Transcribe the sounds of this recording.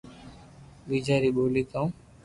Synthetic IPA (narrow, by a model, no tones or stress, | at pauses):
biːd͡ʒʱaːɾiːɓoːliːt̪ãũ